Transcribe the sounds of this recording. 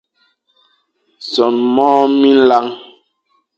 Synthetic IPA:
sɔ˨nmɔː˦mi˦n̩˦la˦ŋ

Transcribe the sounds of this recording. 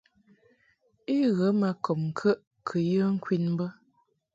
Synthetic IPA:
i˦ɣə˨˦ma˨kɔ˨mŋ̩˨kʰə˦ʔ | kʰə˨jə˦ŋ̩˦kwi˦˨nm˦bə˦

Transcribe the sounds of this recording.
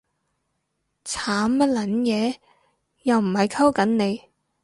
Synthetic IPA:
t͡sʰaː˨˥mːɐ˥t̚lɐ˨˥njɛː˨˧ | jɐ˨wm̩˨˩hɐ˨jkʰɐ˥wkɐ˨˥nne˨˧j

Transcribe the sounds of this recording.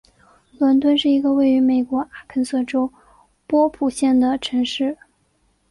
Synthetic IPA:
lwə˧˥nt̪̬wə˥nʂɻ̩˥˩i˧˥ɡə˧we˥˩ɪy˧˥me˨˩ɪkwɔ˧˥a˥˩kʰə˧˥nsɤ˥˩ʈ͡ʂo˥ʊ | pwɔ˥pʰu˨˩ɕjɛ˥˩nd̪ə˩ʈ͡ʂʰɤ˧˥ŋʂɻ̩˥˩

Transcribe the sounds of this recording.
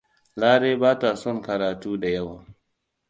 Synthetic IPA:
laː˦ɽeː˦baː˦ta˨sɔ˦˨ŋkɐ˨ɾaː˨tuː˦da˨jɐ˦waː˨

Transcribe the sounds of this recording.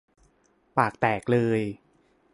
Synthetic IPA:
paː˨˩k̚t̪ɛː˨˩k̚lɤː˧j

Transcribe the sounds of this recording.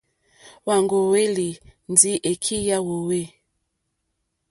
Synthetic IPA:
wa˨ŋɡo˨we˦li˨ndi˦ʔe˨kʰi˦ja˦wo˨we˦

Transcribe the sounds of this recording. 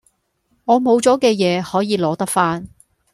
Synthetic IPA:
ŋɔː˨˧mo˨˧wt͡sɔː˨˥kɛː˧jɛː˨˧hɔː˨˥jiː˨˧lɔː˨˥t̪ɐ˥k̚faː˥n

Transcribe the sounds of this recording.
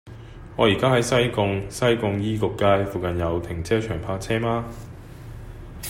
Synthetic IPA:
ŋɔː˨˧jiː˨˩kaː˥ɦɐ˨˥jsɐ˥jkʊ˧ŋsɐ˥jkʊ˧ŋjiː˥kʊ˨kːaː˥jfuː˨kɐ˨njɐ˨˧wt̪ʰɪ˨˩ŋt͡sʰɛː˥t͡ʃʰœː˨˩ŋpʰaː˧˥k̚t͡sʰɛː˥maː˥

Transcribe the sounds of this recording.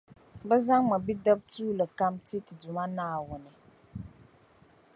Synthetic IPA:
bɛ˦za˦ŋma˨bi˦dɛ˦b̚tuː˦lɨ˨ka˦mti˦tɨ˨dʊ˨ma˦naː˦˨wʊ˨nɨ˨

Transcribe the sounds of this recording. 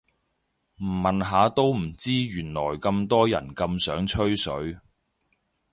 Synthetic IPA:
m̩˨˩mːɐ˨nɦaː˨˧t̪o˥wm̩˨˩t͡siː˥ɥyː˨˩nlɔː˨˩jkɐ˧mt̪ɔː˥jɐ̰˨˩nkɐ˧msœː˨˥ŋt͡ʃʰɵ˥ɥsɵ˨˥ɥ

